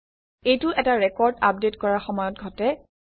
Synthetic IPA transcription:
ejtʊʔɛtaɹɛkɔɹda̰p̚detkɔɹaxɔmɔjɔt̚ɡʱɔtɛ

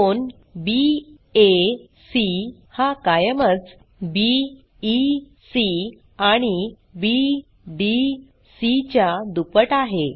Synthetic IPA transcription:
on | bi | e | sihakajəmət͡s | biː | si | aɽ̃i | bi | ɖi | sit͡ɕjad̪upəʈaɦe

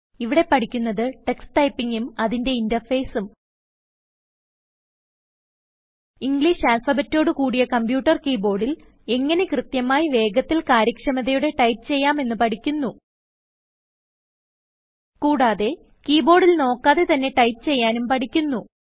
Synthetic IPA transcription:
iʋiɽe̞pɐʈʰikʲːunːɐðɨʈe̞ksʈɐjpːiŋɡumɐðinde̞indɐrfeːsum | iŋɡliːʂaːlfɐbetːo̞ːɽɨkuːɽijɐkɐmpjuːʈːɐrkiːbo̞ːɽil | e̞ŋːɐne̞krɨt̪jɐmaːjiʋe̞ːɡɐt̪ːilkaːɾjɐkʂɐmɐðɐjuɽe̞ʈɐjpːɨ̥t͡ɕe̞jːaːme̞nːɨpɐʈʰikʲːunːu | kuːɽaːðe̞ | kiːbo̞ːɽilno̞ːkːaːðe̞t̪ɐnːe̞ʈɐjtɨt͡ɕe̞jːaːnumpɐʈikʲːunːu

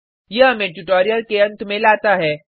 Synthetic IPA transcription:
jeɦɐmẽʈuʈoːɾijəlkeɐ̃nt̪mẽlaːt̪aɦɛː

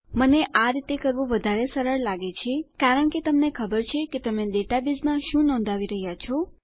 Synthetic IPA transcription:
məneʔaɾit̪ekəɾʋũʋəd̪ʱaɾesəɾəɭlaɡet͡ʃʰekaɾəɳket̪əmnekʰəbəɾt͡ʃʰeket̪əmẽɖeʈabizmãʃũnɔ̃nd̪ʱaʋiɾəɦjat͡ʃʰɔ

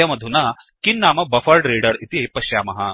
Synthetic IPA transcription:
ɐmɐd̪ʱuna | kinːaːmɐbɐfɐɾɖɾiːɽɐɾit̪ipɐɕjaːmɐɦa

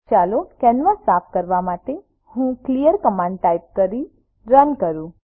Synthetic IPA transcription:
t͡ʃalokɛnʋəsapʰkəɾʋamaʈe | hũklijəɾkəmãɳɖʈajp̚kəɾi | ɾənkəɾũ

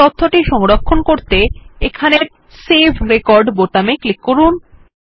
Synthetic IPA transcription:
ot̪ʰːoʈiʃɔŋɾokʰːonkoɾt̪eekʰaneɾ | sebʱɾekɔɾɖbot̪ameklikːoɾun

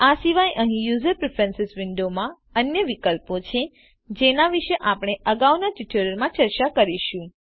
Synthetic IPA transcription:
asiʋajʔəɦĩjuzəɾpɾefɛnsɪsʋɪɳɖomã | ənjəʋikəlpot͡ʃʰe | d͡ʒenaʋiʃeʔapɽ̃eʔəɡaʋnaʈɪʈʰəɾəɾmãt͡ʃəɾt͡ʃakəɾiʃũ

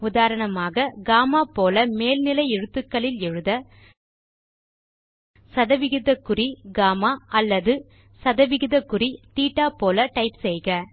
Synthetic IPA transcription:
ʊðaːɾɐɳɐmaːɣɐɡaːmaːpoːlɐmeːlnɪlɐɪɛɻɯt̪ːɯkːɐɭɪlɛɻɯðɐ | sɐðɐʋɪɣɪðɐkːʊriɡaːmaːɐlːɐðɯ | sɐðɐʋɪɣɪðɐkːɯrit̪iːʈːaːpoːlɐʈɐɪpsɛjɣɐ

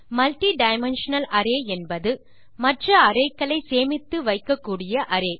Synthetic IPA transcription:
mɐlʈiɖɐɪmɛnʂɐnɐlɐɾeːɛnbɐðɯ | mɐʈrɐɐɾɐɪkːɐɭɐɪseːmɪt̪ːɯʋɐɪkːɐkːuːɽɪjɐʔɐɾeː

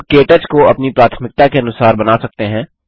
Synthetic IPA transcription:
keːʈət͡ʃkoɐpnipɾaːt̪ʰmɪk̚t̪akeɐnʊsaːɾbɐnaːsɐk̚t̪eɦɛ̃ː

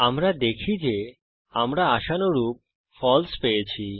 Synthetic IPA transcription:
amɾad̪ekʰid͡ʑe | amɾaaʃanoɾup̚ | fɔlspejet͡ɕʰi

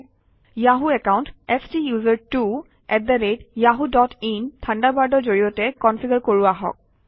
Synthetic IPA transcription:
jaɦuɛkawntɛstijuzəɹtu | ɛt̚d̪aɹedjaɦudɔtʰintʰandabaɹdɔzoɹiɔtɛkɔnfʰiɡəɹkoɹuaɦɔ̰k̚

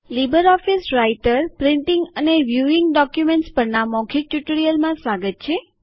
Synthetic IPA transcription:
libəɾɔfisɾaiʈəɾpɾɪɳʈiŋɡəneʋjuiŋɡɖɔkjumẽɳʈspəɾnamɔkʰik̚ʈuʈəɽijəlmãsʋaɡət̪̚t͡ʃʰe

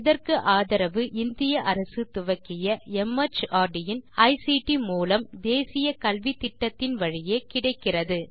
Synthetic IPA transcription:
ɪðɐrkɯʔaːðɐɾɐʋɯʔɪnd̪ɪjɐʔɐɾɐsɯt̪ʊʋɐkːɪjɐɛmːɐt͡ʃaːɾɖɪjɪnɐɪsiʈimuːlɐmd̪eːsɪjɐkɐlʋit̪ːɪʈːɐt̪ːɪnʋɐɻɪjeːkɪɽɐɪkːɪrɐðɯ

